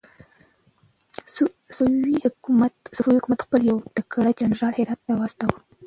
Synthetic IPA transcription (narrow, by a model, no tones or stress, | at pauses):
sihmat̪sʊfawihʊkumat̪xpəljawt̪akaɽad͡ʒanɾɑlhɪɾɑt̪̚ːawast̪awə